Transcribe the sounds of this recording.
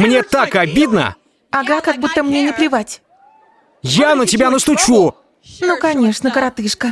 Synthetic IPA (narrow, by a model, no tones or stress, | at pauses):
mnʲe̞t̪akɐbʲid̪nə̰ | aɡakaɡ̚but̪ːəmnʲenʲɪplʲɪvatʲ | janətʲɪbʲanəst̪ʊt͡ɕu | nukɐnʲeʂnəkəɾat̪ɨʂkə